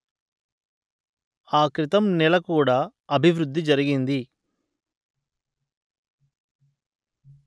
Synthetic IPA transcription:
aːkɾit̪ɐmnɛlɐkuːɽaːɐbʱiʋɾud̪ːid͡ʒɐɾiɡind̪i

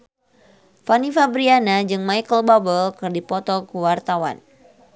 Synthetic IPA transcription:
fanifabɾianad͡ʒɨŋmajkəlbabəlkɨrdipɔt̪ɔkəwart̪awa̰n

